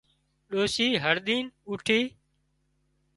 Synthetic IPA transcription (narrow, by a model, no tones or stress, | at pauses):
ɗoːʃiːɦəɾɗ̪iːnʊʈʰiː